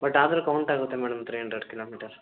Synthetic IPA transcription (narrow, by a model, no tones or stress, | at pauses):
bɐʈːaːd̪ɐɾukɐwɳʈaːɡut̪ːemɛːɽɐmɐt̪ɾɐeɳɖɾɐɾɖkiloːmiːʈɐɾ